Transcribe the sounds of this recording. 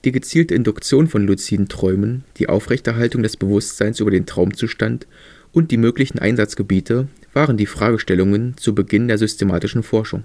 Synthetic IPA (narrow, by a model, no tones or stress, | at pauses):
d̥iːɡət͡siːltəɪndʊkt͡sjoːnfɔnlut͡siːdn̩tʁ̥ɔʏmənd̥iːʔa̰ʊfʁ̥ɛçtɛɐɦaltʊŋdɛsb̥əvʊstz̥aɪnsʔyːbɐdeːntʁ̥aʊmt͡suːʃtant | ʔʊnt̚d̥iːmøːklɪçn̩ʔa̰ɪnzat͡sɡ̥əbiːtʰə | v̥aːʁəndiːfʁ̥aːɡəʃtɛlʊŋənt͡subəɡɪndeːɐzʏstʰemaːtɪʃn̩fɔɐʃʊ̰ŋ